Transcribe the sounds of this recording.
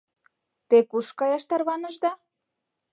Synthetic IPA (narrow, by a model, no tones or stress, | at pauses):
t̪ekuʃkɑjɑʃt̪ɑrβɑnə̆ʒd̪ɑ